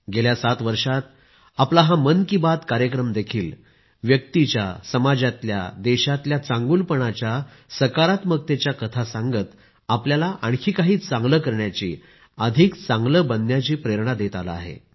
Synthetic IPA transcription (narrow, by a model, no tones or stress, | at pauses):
ɡeljasat̪ʋəɾʂat̪̚ | aplaɦãmənkibat̪kaɾjəkɾəmd̪ekʰiːl | ʋjək̚t̪it͡ɕja̰səmad͡ʑat̪lja̰d̪eɕat̪ljat͡sãŋɡulpəɳat͡ɕjasəkaɾat̪mək̚t̪et͡ɕjakət̪ʰasãŋɡət̪ | apljalaʔaɳkʰiːkaɦiːt͡sãŋɡləkəɾɳjat͡ɕḭː | əd̪ʱikt͡sãŋɡləbənːjat͡ɕiːpɾeɾɳad̪et̪ala̰a̰ɦḛ